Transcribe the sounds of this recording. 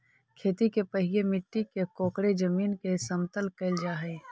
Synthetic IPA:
kʰeːt̪ikepəɦijemɪʈːikekoːkɽed͡ʒəmiːnkesɐmt̪əlkəld͡ʒaːɦɛ

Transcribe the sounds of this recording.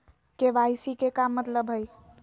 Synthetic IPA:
keʋajsikekamːət̪ləbɦəj

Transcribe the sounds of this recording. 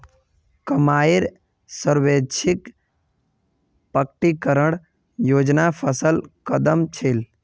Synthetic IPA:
kəmaːɪɾ | səɾʋet͡ʃʰɪk | pəkʈikəɾəɽ | joːd͡ʒnapʰəsəlkəd̪əmt͡ʃʰel

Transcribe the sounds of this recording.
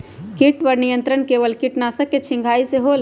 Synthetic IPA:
kiʈpəɾnijə̃nt̪ɾənkeʋəlkiʈnasəkːet͡ʃʰĩŋɡʱaːiseɦol

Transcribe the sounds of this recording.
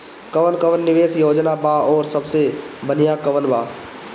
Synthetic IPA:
kəʋənkəʋənːɪʋeːsjoːd͡ʒnabaːɔːɾsəbsebənɪjakəʋənʋaː

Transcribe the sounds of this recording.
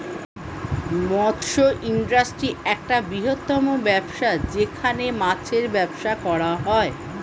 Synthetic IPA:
mɔd̪ʃoʔinɖɾasʈɾiɛk̚ʈabɾiɦot̪ːɔmobɛbʃad͡ʑekʰanemat͡ɕʰeɾbɛbʃakɔɽaɦɔe

